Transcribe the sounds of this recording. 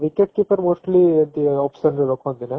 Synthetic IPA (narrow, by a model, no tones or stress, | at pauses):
ʋikeʈ̚kipɐɾmoːsʈlid̪iɔːpsɐnɾɾɔkoɐ̃nd̪ine